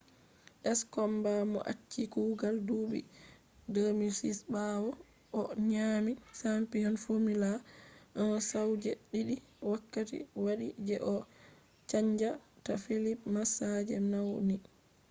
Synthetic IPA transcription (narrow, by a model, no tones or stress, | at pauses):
ʔɛskɔmbamɔ̰ʔa̰t͡ʃːikuɡaldubḭ | dəmisisbawɔ | ʔɔɲamisampijɔnfomilaʔɔnɔsawd͡ʒɛɗiɗi | wakːatḭwaɗid͡ʒɛʔɔ | t͡ʃaɲd͡ʒatafilipmasad͡ʒɛnawni